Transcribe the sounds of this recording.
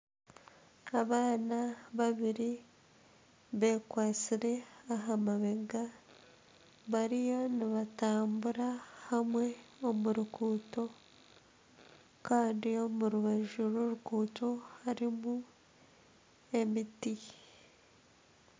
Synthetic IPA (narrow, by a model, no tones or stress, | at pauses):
aβaːnaβaβiɾi | βe̞ːkwaːt͡siɾe̞aɦamaβe̞ɡa | βaɾijoniβataːmbuɾahamwe̞o̞muɾukuːto̞ | kaːndio̞muɾuβaʒuɾoɾukuːto̞haɾimu | e̞miti